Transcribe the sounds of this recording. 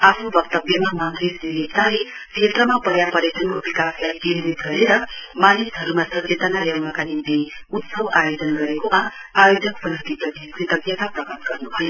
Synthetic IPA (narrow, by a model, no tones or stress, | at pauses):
apʰubʌkt̪ʌbjʌmamand̪isiɾekt̪ale | kʰet̪rʌmapʌɾjapʌɾekʌnkobikaslajɡilid̪ʱɡʱʌɾeɾʌmanisɦʌɾumasʌt͡set̪ʌnajawnʌkanimne | ut̪sʌwajod͡zʌnɡʌɾekoma | ajod͡zʌkpʌnʌt̪it̪ʌdʱiskit̪ʌbjʌt̪aprʌkʌt̪ɡʌrnubʱʌje